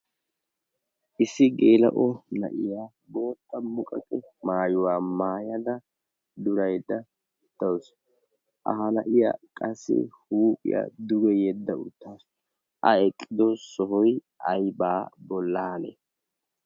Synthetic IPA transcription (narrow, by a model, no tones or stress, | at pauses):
ʔɪsːɪɡeːlɐ̰ʔɔnɐ̰ʔɪjaː | bo̞ːt̪ːɐmʊkʼɐkʼɛmaːjʊwaːmaːjɐd̪ɐ | d̪ʊɾɐjd̪ɐ | ɪt̪ːɐws | ʔɐ̰ɦɐnɐʔɪja̰ːkʼɐsːɪ̰huːpʼɪ̰ja̰d̪ʊɡɛjɛd̪ːɐʊt̪ːaːs | ʔɐɛkʼːɪd̪ɔsɔɦɔj | ʔɐjbaːbɔlːaːnɛ̰